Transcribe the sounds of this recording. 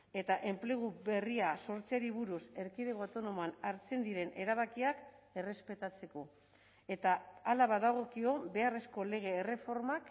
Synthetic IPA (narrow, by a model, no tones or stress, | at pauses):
e̞t̪aʔe̞mple̞ɣ̞ube̞riaso̞ɾt͡siaɾiβuɾuse̞ɾkiðeɣawt̪o̞no̞moanaɾt͡se̞nd̪iɾe̞nʔe̞ɾaβ̞akiake̞re̞spe̞t̪at͡se̞ko̞ | e̞t̪aːlaβaðaɣ̞o̞kio̞be̞are̞sko̞le̞ɣ̞e̞ːre̞fo̞ɾmak